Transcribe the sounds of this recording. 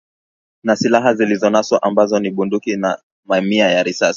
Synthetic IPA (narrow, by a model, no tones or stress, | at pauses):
nasilaɦazilizɔnaswaʔambazɔniɓundukina | mamiajaɾisas